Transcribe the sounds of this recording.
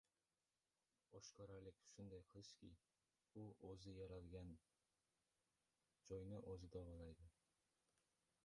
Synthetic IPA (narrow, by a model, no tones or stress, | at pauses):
oʃkʰɒɾaɾlɪkʲʃʊnd̪ajqʰlˠʃkʲɪ | ʊʔɵzɪjaɾalɡʲan | d͡ʒɒjnɪʔɵzɪd̪abɒlˠajd̪ɪ